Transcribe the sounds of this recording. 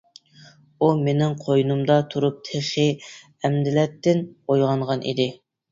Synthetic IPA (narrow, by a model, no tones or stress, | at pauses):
umenɪŋqʰojunumd̪ɑt̪ʰuɾup̚t̪ʰeʃɪ | ɛmd̪ɪlɛt̪ːɪnojʁɑɴʁɑnʔḭd̪ɪ